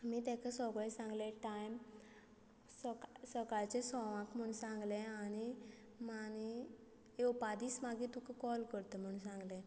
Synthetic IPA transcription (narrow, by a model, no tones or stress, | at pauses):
miːt̪ɛ̃kʰasɔɡɭẽsãŋɡleʈajm | ssəkaɭt͡ɕesɔʋãkm̤əɳsãŋɡlẽañi | mani | eupad̪iːsmaɡit̪ukekɔlkəɾt̪em̤əɳũsãŋɡlẽ